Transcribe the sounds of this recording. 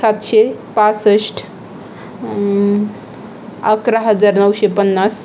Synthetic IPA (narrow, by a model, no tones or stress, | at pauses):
sat̪sepãsəsʈʰ | əkɾaɦəd͡ʒaɾnəwsepənːas